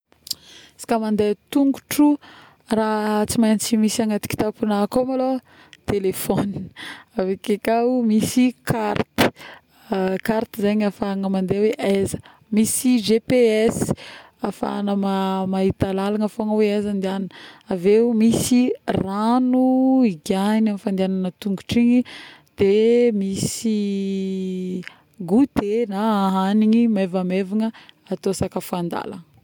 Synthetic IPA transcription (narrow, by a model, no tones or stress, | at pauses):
si̥kamand̪et̪uŋɡuʈ͡ʂu | rat͡simajnit͡simisaŋat̪i̥ki̥t̪apunakomalo | t̪elefɔni̥avekekaumisikʰart̪i̥ | kaɾt̪izaɲafaŋəmand̪eweʔazə̥ | misid͡ʒepeɛs | afa̰nəmamaɦit̪alalaŋəfoŋəweazand̪iannaveumisiranuiɡanamifand̪eananət̪uŋɡuʈ͡ʂiɲid̪̥emisi | ɡut̪enaaɦaniɲimevamevaŋə | at̪oasakəfuand̪a̰la̰ŋə